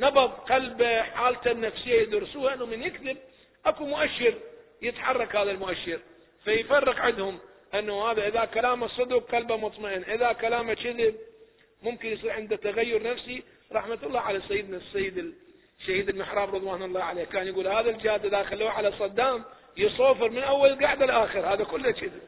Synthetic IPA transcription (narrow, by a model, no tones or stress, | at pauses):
nɑbɑðˤqɑlbaħaːlt̪anːafsɪjːajɪd̪ʊɾsuːhaʔɪnːʊmɪnjɪkd̪ɪb̚ | ʔakumʊʔaʃːɪɾ | jɪt̪ħɑrˤːɑkhaːðalmʊʔaʃːɪɾ | fajfɑrˤːɑqʕɪd̪hʊm | ʔanːahaːðaʔɪðakalaːmasˤɨd̪uq̚qɑlbamʊt̪ˤmaʔɪnʔɪðakalaːmat͡ʃɪðɪb̚ | mʊmkɪnjsˤiːɾʕɪnd̪at̪ːaɣajːʊɾnafsi | ɾˤɑħmat̪ɑlˤːɑːʕalasajːɪd̪nasːajːɪd̪ɪ | ʃːahiːd̪ɪlmɪħɾˤɑːbɾɨðˤwaːnʊlˤːɑːʕaleːhkaːnjɡuːlhaːðald͡ʒɪhaːd̪ʔɪðaxalːuːʕalasˤɑd̪ːaːm | jɨsˤoːfɨɾmɪnʔawːalɪlɡaʕd̪alʔaːxɪɾhaːðakʊlːat͡ʃɪðɪb